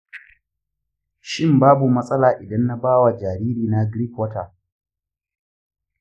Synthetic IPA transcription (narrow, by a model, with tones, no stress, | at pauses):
ʃɪ˦mbaː˦bu˨mɐ˦sʼɐ˦laː˨ʔɪ˨dɐ˦nːa˦baː˦wa˨d͡ʒaː˨ɾiː˦ɾiː˨na˦ɡɾiː˦kwɔ˦taː˨